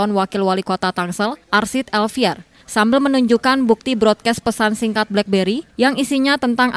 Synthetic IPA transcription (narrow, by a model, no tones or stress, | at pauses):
ɔnwakɪlwalikot̪at̪aŋsəlʔarsit̪ɛlfiɛr | sambɪlmənuɲd͡ʒukanbuk̚t̪ibɾɔt̪̚kɛs̚pəsansiŋkat̪̚blɛk̚beɾijaŋisiɲat̪ənt̪aŋʔa